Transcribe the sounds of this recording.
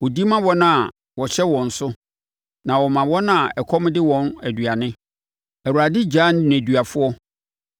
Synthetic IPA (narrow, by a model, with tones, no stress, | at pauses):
wɔ˨di˦mã˦wɔ˦nã˨ | wɔ˨ɕɛ˦wɔ̃˨n̩˨sʊ˦ | nã˨wɔ˨mã˨wɔ̃˦nã˦˨ɛ˨kʰɔ˦m˦dɪ˦wɔ̃˨˦næ˨dɥa˨nɪ̃˦ | æ˨wu˨ɾa˨dɪ˦d͡ʑaː˦n˦n˨æ˨dɥa˨fʊ˦ɔ˦